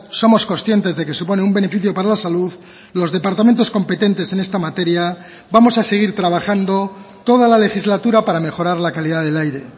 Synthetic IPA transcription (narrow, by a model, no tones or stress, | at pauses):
so̞mo̞skonsθje̞nt̪e̞zðe̞ke̞supo̞neumbe̞ne̞fiθjo̞paɾalasaluð | lo̞zðe̞paɾt̪ament̪o̞sko̞mpe̞t̪e̞nt̪e̞se̞ne̞st̪amat̪e̞ɾja | bamo̞sase̞ɣ̞iɾt̪ɾaβ̞axand̪o̞t̪o̞ð̞alale̞xizlat̪uɾapaɾame̞xo̞ɾaɾlakaliðaðe̞lajɾe̞